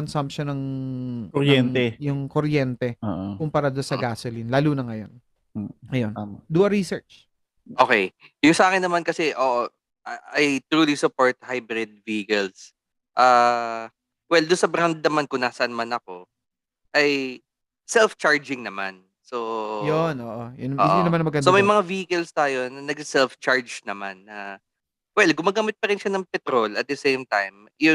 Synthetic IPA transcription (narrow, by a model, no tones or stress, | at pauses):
ɐnsɐmpʃɐnɐŋkɾjɛnt̪ɛjʊŋkoɾjɛnt̪ɛoʔkʊmpɐɾad̪onsɐɡaːsolinlaːluːnɐŋɐjo̰nː | ɐjond̪uːʔɐɾisɛɹt͡ʃ | ʔoːkɛjjʊŋsɐʔaːkɪnːɐmankɐsɛʔoːʔo | ʔajt̪ɾuːlisʊpoɹt̪̚hajbɾɪd̪̚viɡɛls | ʔa | wɛld̪ʊnsɐbɾand̪̚nɐmankʊnaːsɐɐnɐmanɐko̞ | ʔɐj | sɛlft͡ʃaɹd͡ʒɪŋnɐma̰n | so̞jonʔoːʔojʊnʔoːʔodinɐmanmɐɡɐsomɐjmɐŋaviːhɪkɛlst̪aːjonnɐɡsɛlft͡ʃaɹd͡ʒnɐmanːɐ | wɛlɡʊmaːɡaːmɪt̪̚pɐɾɪnʃanɐŋpɛt̪ɾo̞lɐt̪̚d̪ɛsejmt̪ajm | jʊ